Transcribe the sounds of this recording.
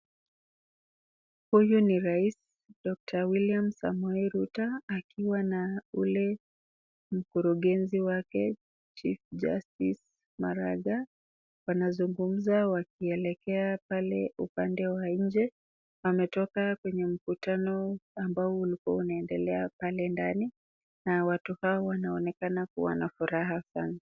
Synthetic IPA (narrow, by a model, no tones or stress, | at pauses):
hujuniɾais | dɔk̚tʰawiliamsa̰mwɛiɾutaːkiwanaulɛ | m̩kuɾuɠɛnziwakɛ | t͡ʃifd͡ʒa̰stis | maɾaɠa | wanazuŋɡum̩zawak̚iɛlɛkɛapalɛupandɛwaɲ̩d͡ʒɛ | amɛtɔkakwɛɲɛm̩kutanɔambaɔulikuaunaɛndɛlɛapalɛndani | nawatuhaɔwanaɔnɛkanakṵwa̰nafuɾaɦasana